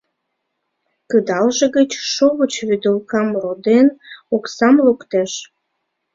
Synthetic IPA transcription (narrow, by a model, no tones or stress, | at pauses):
kəd̪ɑlʒeɣət͡ɕʃoβət͡ɕβyd̪əlkɑmrod̪enoksɑmlukt̪eʃ